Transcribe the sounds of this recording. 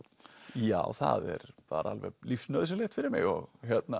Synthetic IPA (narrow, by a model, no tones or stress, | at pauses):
jaːwθa̰ðɛɾpaːɾalvɛlifsnœðsɪlɛxt̪fɪɾɪɾmɪ̰ɣɔɣçjɛt̪na